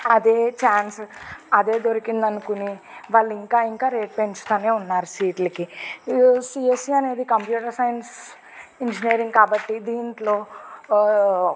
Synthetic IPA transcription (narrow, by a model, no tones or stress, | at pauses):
ɐd̪eːt͡ʃaːnsɐd̪e̞ːd̪o̞ɾikind̪ɐnukuniʋaːɭːiŋkaːiŋkaːɾe̞ːʈ̚pe̞ɲt͡ʃu̥t̪aːneːunːaːɾusiːʈlɐki | siːesiɐne̞ːd̪ikɐmpjuːʈɐɾsɐjns | iɲd͡ʒiniːɾiŋɡkaːbɐʈːid̪iːɳʈlo̞ː